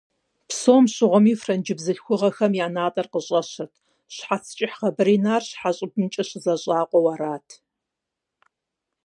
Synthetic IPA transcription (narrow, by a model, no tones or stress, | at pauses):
psoːmɕɪʁʷʊmiːfrɐnd͡ʒɪbzɨɬxʷʊʁɐxɐmjaːnaːtʼɐrqəɕʼɐɕɐrtʰ | ɕħat͡sʰt͡ʃʼɪħχɐbɨɾiːnaːrɕħaɕʼɪbnt͡ʃʼɐɕɪzɐɕʼaːqʷʼɔwaɾaːtʰ